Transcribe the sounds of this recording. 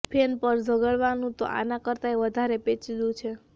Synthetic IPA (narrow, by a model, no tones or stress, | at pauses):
pʰenpəɾd͡ʒʱəɡəɭʋanũt̪o̰ʔa̰nakəɾt̪aeʋəd̪ʱaɾepet͡ʃid̪ũt͡ʃʰe